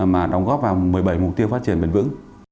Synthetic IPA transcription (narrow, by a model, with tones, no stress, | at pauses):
maː˨˩ɗɔ˧wŋ͡mɣɔː˦˥p̚vaː˨˩wmɨ˨˩əjɓə˧˩jmʊ˨˩k͡p̚t̪i˧əwfaː˦˥t̚t͡ɕi˧˩əmɓe˨˩nvɨ̰˧˥ŋ